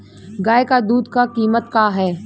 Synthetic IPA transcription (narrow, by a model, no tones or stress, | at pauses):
ɡaːekad̪uːd̪kakiːmət̪kaːɦɛː